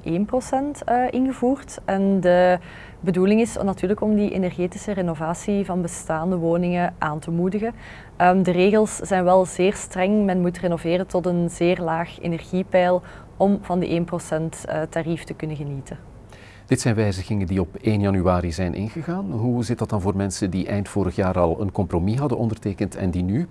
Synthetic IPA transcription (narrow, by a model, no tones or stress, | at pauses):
ʔeːnprosɛntəʔɪnɣəvuːrtɛndə | bəduːlɪŋɪsnɑtyːrləkɔmdiʔḛnɛrɣeːtɪsərenovaːsivɑnbəstaːndəʋoːnɪŋəʔaːntəmudəɣən | ədəreːɣəlˠsz̥ɛjnʋɛlˠzeːrstrɛŋmɛnmutrenoveːrətɔtənzeːrlaːxḛnɛrɣipɛjlˠ | ɔmvɑndḭʔeːnprosɛntətariftəkɵnəɣənitʰə | d̥ɪtsɛjnʋɛjzəɣɪŋədiɔpeːnjɑnyaːɾizɛjnʔɪ̰nɣəɣaːnɦuzɪt̚dɑt̚dɑnvoːrmɛnsəndiʔɛjntfoːɾəxjaːɾɑlˠə̰nkɔmpromiɦɑdənɔndərteːkəntʰɛ̰ndiny